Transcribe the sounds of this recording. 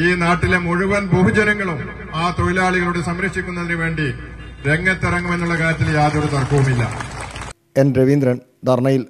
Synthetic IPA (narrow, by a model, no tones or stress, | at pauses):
iːnaːʈːilemuɻuʋɐnbuɦud͡ʑɐɾɐŋːɐɭum | aːt̪o̞jilaːɭiɣɐɭuɽesɐmɾɐkʂikʲːunːɐðinɨʋe̞ːɳɖiɾe̞ŋːɐt̪ːirɐŋːume̞nːuɭːɐkaːɾjɐt̪ːiljaːðoɾut̪ɐrkuʋumilːɐ̰ | e̞nɾeʋind̪ɾɐn | d̪ɐrɳɐjil